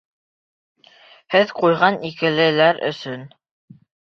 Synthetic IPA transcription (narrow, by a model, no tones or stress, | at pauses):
hɘðqujʁɑnikɘ̆lɘ̆læɾɵ̰̆sɵn